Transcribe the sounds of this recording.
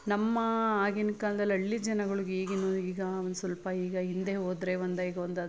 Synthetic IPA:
nɐmːɐaːɡinkaːlɐd̪ɐlːiɐɭːid͡ʒɐnɐɡɐɭuɡiːɡinːoːd̪iːɡɐond̪usʋɐlpɐiːɡɐɦind̪eɦoːd̪ɾeːʋond̪ɐiːɡɐʋond̪ɐd̪

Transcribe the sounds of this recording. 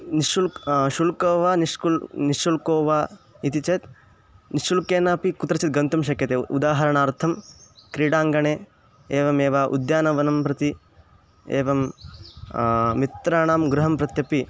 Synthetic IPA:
niʃulʃulkoːʋaːniʃkulniʃulkoːʋaː | it̪it͡ʃɐt̪ | niʃulkeːnaːpikut̪ɾɐt͡ʃit̪̚ɡɐnt̪ɐmʃ̬ɐkjɐt̪eːṵd̪aːɦɐɾɐɳaːɾt̪ʰɐmkɾiːɽaːŋɡɐɳeː | eːʋɐmeːʋaːʔṵd̪jaːnɐʋɐnɐmpɾɐt̪i | eːʋɐm | it̪ɾaːɳaːmɡɾuɦɐmpɾɐt̪jɐpi

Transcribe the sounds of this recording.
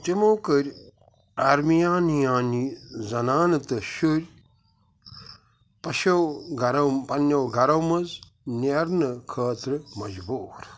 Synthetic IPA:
timowkɐɾʲ | aɾmijãːnijãːnizɐnaːnɐt̪ɨʃuɾʲ | pɐʃɐwɡɐɾɐwpɐnːjɐwɡʱɐɾɐwmɐz | nɐɾnɐkʰɐːt̪ɾɨmɐd͡ʒbuːɾ

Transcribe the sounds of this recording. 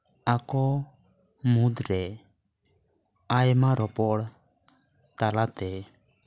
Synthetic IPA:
akɔ | mud̪ɾɛ | ajmaɾɔpɔɽ | t̪alat̪ɛ

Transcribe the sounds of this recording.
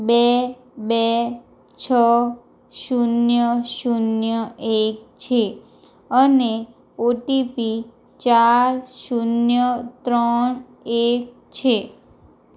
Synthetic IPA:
be | be | t͡ʃʰə | ʃunjəʃunjəʔek̚t͡ʃʰe | əne | oʈipi | t͡ʃaɾʃunjət̪ɾən | ek̚ | t͡ʃʰe

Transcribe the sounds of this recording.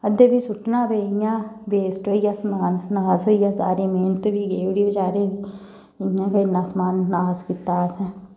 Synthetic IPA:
ɐd̪ebʱisʊʈnabejãbeːsʈɦoijasmaːnːaːzɦoijasa̰ːɾimeːnt̪bʱiɡeːʋɽibɐd͡ʒaːɾẽːi | jãkɐɪnːasmaːnːaːzkɪt̪ːaːsɛ̃ː

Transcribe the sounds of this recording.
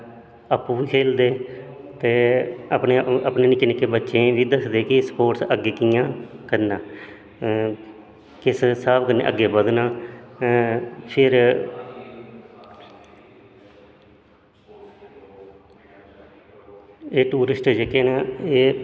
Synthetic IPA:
əpːuːʋiːkʰeːld̪eː | t̪eːəpneːəpneːnɪkːɪnɪkːeːbətːʃẽːʋiːd̪əsd̪eːkɪspoːʈsəɡeːkijãːkəɾnaː | kɪssaːbkənḛːʔə̰ɡːeːbəd̪naː | pʰɪɾ | eːʈuːɾɪsʈd͡ʒekeːnaːeː

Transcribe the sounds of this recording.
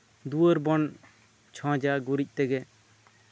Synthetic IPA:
d̪uəɾbɔn | t͡ʃʰɔ̃d͡ʒaɡuɾic̚ˀt̪ɛɡɛ

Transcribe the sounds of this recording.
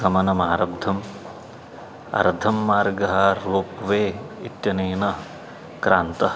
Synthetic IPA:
ɡɐmɐnɐmaːɾɐbd̪ʱːɐm | ɐ̰ɾd̪ʱɐmːaːɾɡɐɦɐɾuːpʋeːit̪jɐneːnɐ | kɾaːnt̪ɐ

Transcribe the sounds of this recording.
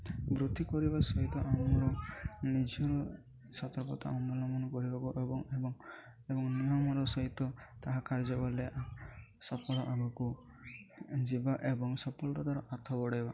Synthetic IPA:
bɾut̪ːikɔɾibasɔɦit̪ɔʔamɔɾɔnid͡ʒɔɾɔ | sɔt̪ɔɾpɔt̪a̰ʔɔmɔlɔmɔnɔkɔɾibakuʔebɔŋebɔŋ | ebɔŋnijɔmɔɾɔsɔɦit̪ɔt̪aɦakaɾd͡ʒɔbaleʔsɔpɔɭɔʔamɔku | d͡ʒibaʔebɔŋsɔpɔlɾɔt̪aɾɔʔat̪ʰɔbɔɽajba

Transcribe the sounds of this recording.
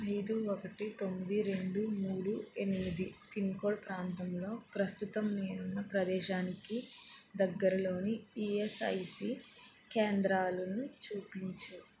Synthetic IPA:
ɐjd̪uɔkɐʈit̪o̞mːid̪iɾe̞ɳɖumuːɽue̞nimid̪ip̪inkoːɭpɾaːnt̪ɐmlo̞ːpɾɐst̪ut̪ɐmneːnunːɐpɾɐd̪ɛːʃaːnikid̪ɐɡːɐɾɐlo̞ːniiesɐ̰jsikeːnd̪ɾaːlɐnut͡ʃuːpiɲt͡ʃu

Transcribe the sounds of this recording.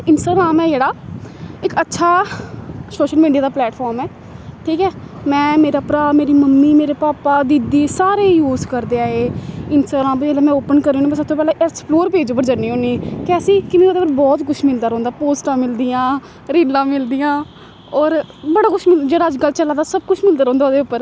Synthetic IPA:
ɪnsʈaːɡɾaːmɛːd͡ʒeːɽaːɪkətːʃʰaː | soːʃəlmiːɖijaːd̪aːplɛːʈpʰɔːɾmɛː | ʈʰiːkɛː | mɛ̃ːmeːɾaːpɾaːmeːɾiːməmːiːmeːɾeːpaːpaːd̪ɪd̪iːsaːɾeːjuːzkəɾd̪eːaːeːɪnsaːɡɾãːmpd͡ʒeːleːmɛ̃ːoːpənkəɾːeːõːniːɛ̃səb̚t̪oːp̬ɛːlẽːɛkspʰloːɾpeːd͡ʒʊp̬ːəɾd͡ʒəniːɦõːniːkeəsĩːkɪmeːɾaːd̪eʊpːəɾbɔːt̪kʊt͡ʃʰmɪld̪aːɾɔ̃ːnd̪aːpoːsʈãːmɪld̪ijãː | ɾiːlãːmɪld̪ijãː | ɔːɾbəɽaːkʊt͡ʃʰmɪd͡ʒeːɽaːəd͡ʒɡəlt͡ʃəlːãːd̪aːsəb̚kʊt͡ʃʰmɪld̪aːɾɔ̃ːnd̪aːd̪eːʊpːəɾ

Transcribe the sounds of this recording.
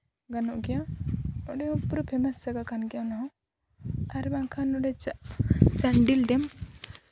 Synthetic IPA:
ɡanɔʔɡɛjaɔɖɛɔ̃puɾupʰɛmassaɡakʰanɡɛjanaɦɔ̃ | aɾbaŋkʰanɔɖɛ | t͡ʃaɳɖilɖɛm

